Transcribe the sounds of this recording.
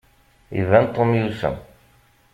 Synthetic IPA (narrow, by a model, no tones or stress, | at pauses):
ḭvænt̪ˤːomjusæ̰